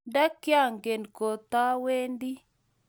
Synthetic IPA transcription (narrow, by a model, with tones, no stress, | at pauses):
da˦kja˦˨ŋɡe˨nko˨t̪a˦we˦ndi˦